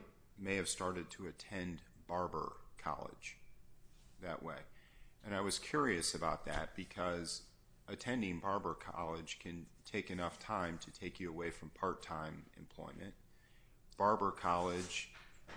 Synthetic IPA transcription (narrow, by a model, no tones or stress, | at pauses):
meɪɨv̥stɑɹɾɨd̚tʰəɨtʰɛ̃nb̥ɑɹbə̰˞kʰɑ̰lˠɪ̰d̥ʒ̥ | ðɨ̰ʔwḛɪʔɨ̃ñaɪwʌz̥kʰj̥ʊɹiɨsɨbaʊt̪̚ðɨ̰t̚b̥ɨkʰʌz | ɨtʰɛ̃ndɪ̃ŋbɑɹbə˞kʰɑ̰lˠɪd̥ʒ̥kʰɨ̃ntʰeɪkɨnʌftʰãɪ̃mtʰɨtʰeɪkjɨəweɪfɹʌ̃mpʰɑɹtʰãɪ̃mɨ̰̃mpʰl̥ɔ̰ɪmɨ̰̃nt̚ | b̥ɑɹbə˞kʰɑlˠɪ̥ʒ̥